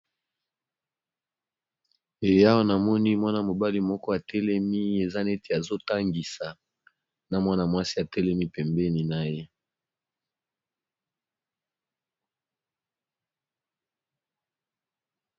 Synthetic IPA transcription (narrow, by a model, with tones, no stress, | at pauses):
e˨ja˦wa˦na˨mɔ˦ni˦mwa˦na˦mo˨ba˦li˦mɔ˦kɔ˦a˨tɛ˦lɛ˦mi˦e˨za˦ne˦tʰe˨a˨zo˦ta˦ŋɡi˨sa˨ | na˨mwa˦na˨mwa˦si˦a˨tɛ˦lɛ˦mi˦pɛ˨mbɛ˦ni˨na˦je˦